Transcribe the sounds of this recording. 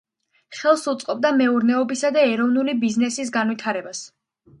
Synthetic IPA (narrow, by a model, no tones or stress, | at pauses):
χɛlˠsut̪sʼqʼɔb̚d̪amɛuɾnɛɔbisad̪aɛɾɔvnulibiznɛsis̬ɡanvit̪ʰaɾɛbas